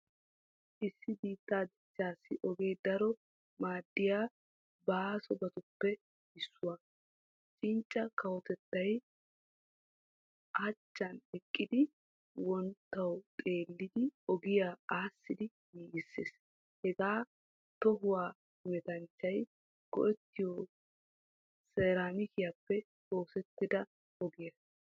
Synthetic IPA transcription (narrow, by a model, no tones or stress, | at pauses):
ʔɪsːɪbiːt̪ːaːd̪ɪt͡ʃːaːsːɪʔɔɡe̞ːd̪ɐɾɔ | maːd̪ːɪjaː | basɔbɐt̪ʊpːɛ | ɪsːʊwɐ | t͡ʃʼɪnt͡ʃʼːɐkɐwɔt̪ɛt̪ːɐj | ʔɐt͡ʃːɐnɛkʼːɪd̪ɪ | wɔnt̪ːɐwkʼe̞ːlːɪd̪ɪɔɡɪjaːaːsːɪd̪ɪ | jiːɡɪsːḛːs | hɛɡaː | t̪ɔɦʊwaː | ɪmɛt̪ɐnt͡ʃːɐj | ɡ̥ɔ̰ʔɛt̪ːɪjɔ | seːɾaːmɪkɪjapːɛ | o̞ːsɛt̪ːɪd̪ɐ | ɔɡɪjɐs